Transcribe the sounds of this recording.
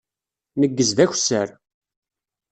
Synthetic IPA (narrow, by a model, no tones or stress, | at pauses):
nəɡːəzðæç̥səɾ